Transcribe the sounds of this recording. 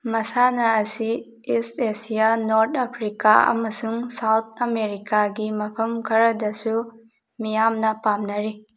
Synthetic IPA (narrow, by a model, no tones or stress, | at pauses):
mɐsanɐːsi | isesijanoɾt̪ʰapʰɾika̰ɐ̰mɐsuŋsawt̪ʰɐmeɾikaɡimɐpʰɐmkʰɐɾɐdɐsu | mijamnɐpamnɐɾi